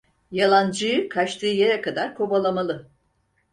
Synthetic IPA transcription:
jalˠand͡ʒɯjɯkʰat͡ʃt̪ʰɯːjeɾɛkad̪aɾkʰo̞balˠamalˠɯ

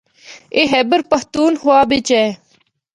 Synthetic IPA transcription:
eːɦɛːbəɾpəht̪uːnɦoaːbɪt͡ʃɛː

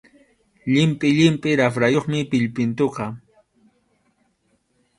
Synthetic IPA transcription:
ʎɪmpʼɪʎɪmpʼɪɾafɾajoχmɪpɪʎpɪnt̪oqɑ

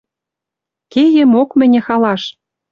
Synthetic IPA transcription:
kejɘ̆mokmɘ̆nʲɘ̆xɑlɑʃ

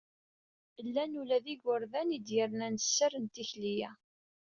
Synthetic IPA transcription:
əlːænulæðiɡəɾðænid̪jəɾnænsːərənt̪içlijæ

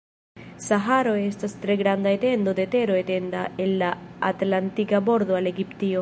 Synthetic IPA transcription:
saɦaɾo̞e̞stastɾe̞ɡɾand̪aete̞ndo̞dete̞ɾo̞e̞te̞ndae̞lːaːtlantikabo̞ɾdoale̞ɡiptio̞

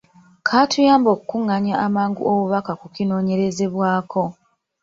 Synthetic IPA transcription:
kʰatujaːmbo̞ːkukuŋːaɲaʔamaːŋɡṵoβuβakakukino̞ːɲe̞ɾe̞ze̞βwaːko̞

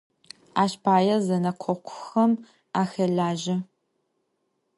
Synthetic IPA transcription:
aːɕpʰaːjɐzɐnɐqʷʰɔqʷʰʊxɐm | aːxɐɮaːʒɐ

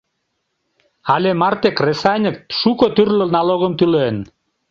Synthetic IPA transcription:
ɑlʲemɑrt̪ekresɑnʲək̚t̪ʃukot̪yrləlnɑloɣəmt̪ylen

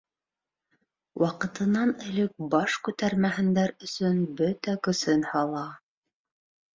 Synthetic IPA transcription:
wʔɑqɤ̆t̪ɤ̆nɑnɘ̆lɘk̚bɑʃkʉt̪æɾmæɦɘ̆nd̪æɾɵ̆sɵnbɵt̪ækɵ̆sɘnhɑlˠɑ

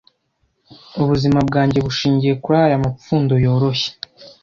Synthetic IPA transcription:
uβuzimabɡaːɲɟe̞βuʃiːɲɟije̞kuɾajamap͡fuːndo̞jo̞ːɾo̞çe̥

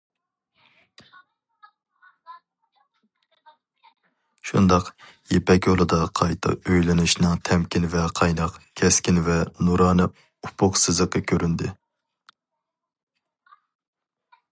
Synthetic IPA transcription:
ʃṵnd̪ɑq | jepʰɛkʲjolˠɨd̪ɑqʰɑjt̪ʰɨ̰øjlɪnuʃnɨŋt̪ʰɛmkʲinvɛqʰɑjnɑqkʲʰɛskʲinvɛnuɾɑːnɨ | upʰʊqsɨzəqːəkʲʰøɾynd̪ɪ

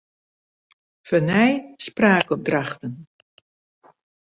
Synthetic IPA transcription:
fənɛjspraːkɔp̚draχtən

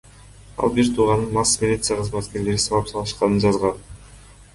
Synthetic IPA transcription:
ɑ̰lˠbiɾt̪ʰuːʁɑnɯnmɑsːmʲɪlʲit̪sɨjaqʰəzmat̪ke̞ɾle̞ɾisɑvɑpsɑlˠɯʃqɑnɯnd͡ʒɑzʁɑn

